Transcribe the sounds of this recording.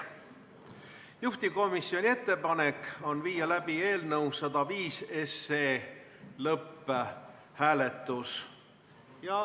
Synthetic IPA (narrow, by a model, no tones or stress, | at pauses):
juht̪iko̞misːio̞nʲie̞t̪ːe̞pɑne̞ko̞nviːjɑlæb̥ie̞ːlnɤwsɑd̪̥ɑviːseseːlɤpː | hæːlet̪ːˑus